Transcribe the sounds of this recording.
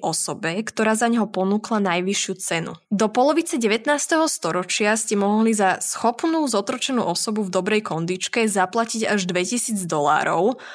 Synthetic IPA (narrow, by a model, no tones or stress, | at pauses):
ʔɔsɔbɛkt̪ɔɾaːzaɲɦɔpɔnuːklanajʋiʃɪut͡sɛnṵd̪ɔpɔlɔʋit͡sɛɟɛʋɛt̪naːst̪ɛɦɔst̪ɔɾɔt͡ʃɪascɛmɔɦɔɦlizasxɔpnuːzɔt̪ɾɔt͡ʃɛnṵːʔɔsɔbuvd̪ɔbɾɛjkɔnd̪it͡ʃkɛzaplaciɟaʒd̪ʋɛcisiːd͡zd̪ɔla̰ːɾɔʊ